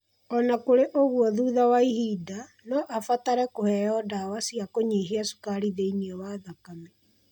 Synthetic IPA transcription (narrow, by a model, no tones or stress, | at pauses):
ɔnakoɾeʔoɣwɔðuːðawaihiːda | nɔʔafataɾɛkohɛjɔdawasiakoɲiːɦeasu̥kaɾiðeiniɔwaðakamɛ